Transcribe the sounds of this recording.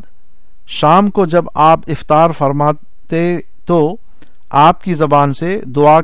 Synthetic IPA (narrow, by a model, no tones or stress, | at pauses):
ʃaːmkod͡ʒɐbaːpɪft̪aːɾfɐɾmaː | t̪e | t̪o | aːpkizɐbaːnsed̪ʊa